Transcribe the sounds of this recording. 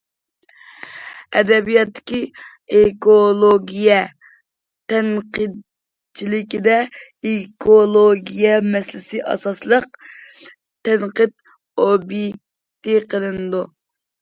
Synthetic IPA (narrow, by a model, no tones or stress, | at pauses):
ɛd̪ɛbijɑt̪ːɪ̥kʲi | ekolˠoɡʲijɛ | t̪ʰɛnqəd̪ | t͡ʃʰilɪkʲid̪ɛ | ekʰolˠoɡʲijɛmɛslɪsɪʔɑ̰sɑslˠəq̚ | t̪ʰɛnqəd̪ | objek̚ʲ | t̪iqʰəlˠɨnɨd̪u